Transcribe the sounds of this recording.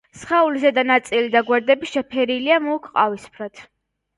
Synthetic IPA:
sχaulisad̪anat̪sʼilid̪aɡwɛɾd̪ɛbiʃɛpʰɛɾiliamuːkʰqʼavispʰɾat̪ʰ

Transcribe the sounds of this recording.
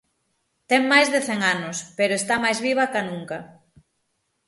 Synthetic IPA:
t̪ɛŋmajzðeθɛŋanʊspeɾoest̪amajzβiβ̞ɐkanuŋkɐ

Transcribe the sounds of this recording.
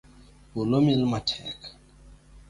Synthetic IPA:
ulomilmatʰɛ̰k

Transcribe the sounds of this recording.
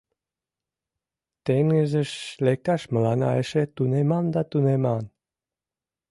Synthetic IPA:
t̪eŋɡəʒeʃlek̚t̪ɑʃmə̆lɑnɑ̰eʃet̪unemɑnd̪ɑt̪unemɑn

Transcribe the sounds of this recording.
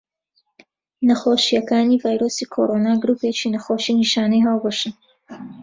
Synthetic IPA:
nɐxoːʃijɐkaːniːvaːjɾosiːkʰoːɾoːnaːɡɾuːpet͡ʃinɐxoːʃiniʃaːnɛjɦaːlˠboʃɨn

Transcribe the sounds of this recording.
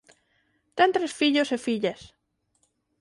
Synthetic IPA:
t̪ent̪ɾesfiʎosefiʎas

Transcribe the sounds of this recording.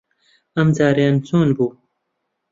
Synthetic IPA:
ɐmd͡zaːɾjaːnt͡soːnbuː

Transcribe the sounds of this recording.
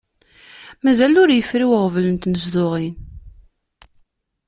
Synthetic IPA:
mæzælʊɾjəfɾiwəʁvlənt̪nəzðʊʁin

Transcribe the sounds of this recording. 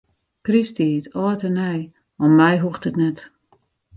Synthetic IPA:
kristitʰɔːtənɛj | ɔmːɛjɦuxtətnɛt

